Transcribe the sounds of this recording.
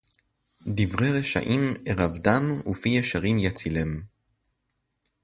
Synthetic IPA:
divʁeʁeʃa̰ʔimeʁavdamufijeʃaʁimjat͡silem

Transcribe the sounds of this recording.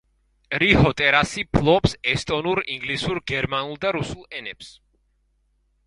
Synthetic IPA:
ɾihɔt̪ʼɛɾasipʰlˠɔpsɛst̪ʼɔnuɾiŋɡlisuɾɡɛɾmanulˠd̪aɾusulˠɛnɛps

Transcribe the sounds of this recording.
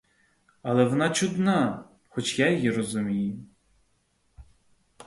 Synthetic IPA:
alˠɛʋɔnat͡ʃud̪na | xɔt͡ʃjajjirɔzʊmʲijʊ

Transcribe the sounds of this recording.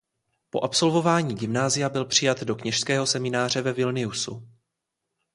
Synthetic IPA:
po̞ʔapso̞lvo̞vaːɲiːɡɪmnaːzɪjabɪlpr̝̥ɪjat̪do̞kɲɛʃskɛːɦo̞sɛmɪnaːr̝ɛvɛvɪlnɪusṵ

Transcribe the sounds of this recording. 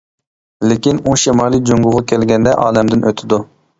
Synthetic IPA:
lɪkʲinuʃimɑːlˠijd͡ʒoŋɡʊʁɑkʲʰɛlɡʲɛnd̪ɛʔɑːlɛmd̪ɪnʔøt̪ʰɪd̪u

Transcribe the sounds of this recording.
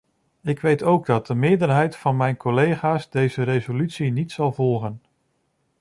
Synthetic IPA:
ɪkʋejtowɡ̚dɑt̚dəmɪːɹdəɹɦɛjtfɑnmɛjnkɔlejχaːsdejzəɾejzolytsinitsɑlˠvɔlˠχən

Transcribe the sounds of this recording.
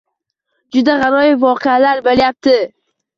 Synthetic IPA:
d͡ʒʊd̪aʁɑɾɒjɪvɒqʰealaɾboljap̚t̪ʰɪ

